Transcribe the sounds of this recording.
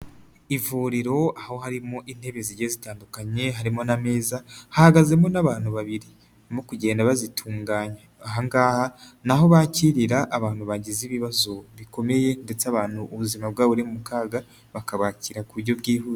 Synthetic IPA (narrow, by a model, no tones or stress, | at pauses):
ivuɾiɾo̞aho̞haɾimo̞ʔin̥he̞βeziɟezitaːndukaɲe̞ɦaɾimo̞name̞ːzahahaɡaze̞mo̞naβaːn̥huβaβiɾi | mokuɟe̞ːndaβazitʰuːŋɡaːɲa | aɦaŋɡaːha | naɦo̞βaːciɾiɾaʔːβaːnhuβaɟiziβiβazo̞βiko̞me̞je̞nde̞t͡saβaːn̥huʔːβuzimab̚ɡaːβoɾimumukaːɡa | βakaβaːciɾakuβuɾɟo̞bɡiːɦuze